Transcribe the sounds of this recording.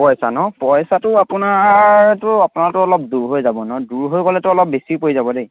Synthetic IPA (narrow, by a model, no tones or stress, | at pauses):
pɔjsanɔpɔjsatʊapʊnatʊapʊnaɹtʊɔlɔp̚duɹɦojzabɔnɔduɹɦojɡɔlɛtʊɔlɔp̚besipojzabɔdej